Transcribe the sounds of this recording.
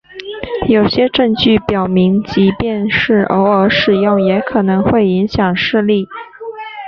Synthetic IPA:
jo˨˩ʊɕjɛ˥ʈ͡ʂɤ˥˧ŋt͡ɕy˥˩pjɑ˨˩ʊmi˧˥ŋt͡ɕi˧˥pjɛ˥˧nʂɻ̩˥˩ʔə˧˥ʊə˧˥ʂɻ̩˨˩jo˥˩ŋjɛ˧˥kʰɤ˨˩nɤ˧˥ŋxwe˥˩ɪi˧˥ŋɕjɑ˨˩ŋʂɻ̩˥˧li˥˩

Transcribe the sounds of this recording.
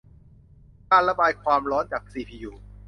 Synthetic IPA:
kaː˧nla˧baː˧jkʰwaː˧mɾɔː˦˥nt͡ɕaː˨˩k̚siː˧˩pʰiː˧juː˧

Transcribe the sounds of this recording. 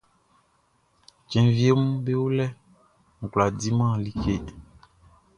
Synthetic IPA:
d͡ʒɛ̃˨vi˦e˦mũ˦be˦wo˦lɛ˦ | ŋ̩˨ɡla˨di˦mã˦˨li˨ke˦

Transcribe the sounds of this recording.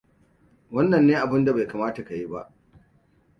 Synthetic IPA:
wɐ˦nːɐ˨nːeː˦ʔa˨bɪ˦nda˨ba˨kaː˨maː˦ta˨ka˨ji˦ba̰˦ʔ

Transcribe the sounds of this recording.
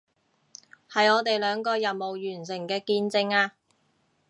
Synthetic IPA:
hɐ˨jɔː˨˧t̪e˨jlœː˨˧ŋkɔː˧jɐ˨nmo˨wjyː˨˩nsɪ˨˩ŋkɛː˧kiː˧nt͡sɪ˧ŋaː˧

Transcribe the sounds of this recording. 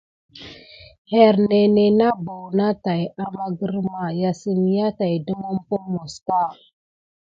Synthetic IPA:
he˨ɾne˨ne˨na˦bo˨wna˦ta˨ja˨ma˦ɡə˦ɾma˨ja˦si˦n˦ja˦ta˨jdu˦mu˦m˦po˦mo˨ska˦˨

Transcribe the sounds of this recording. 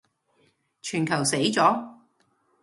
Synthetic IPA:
t͡ʃʰyː˨˩nkʰɐ˨˩wse˨˥jt͡sɔː˨˥

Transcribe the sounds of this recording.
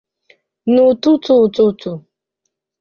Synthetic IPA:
nu˨tu˦tu˦˨tu˦tu˨

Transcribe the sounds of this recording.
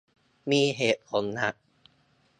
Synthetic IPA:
miː˧ɦeː˨˩t̪̚pʰo˩˦nːa˦˥k̚

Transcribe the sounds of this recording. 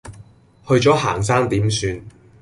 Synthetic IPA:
hɵ˧ɥt͡ʃt͡sɔː˨˥ɦaː˨˩ŋsaː˥ŋt̪iː˨˥msyː˧n

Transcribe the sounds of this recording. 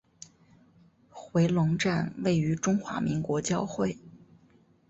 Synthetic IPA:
xwe˧˥ɪlʊ˧˥ŋʈ͡ʂa˥˧nwe˥˩ɪy˧˥ʈ͡ʂʊ˥ŋxwa̰˧˥mi˧˥ŋkwɔ˧˥t͡ɕjɑ˥ʊxwe˥˩ɪ

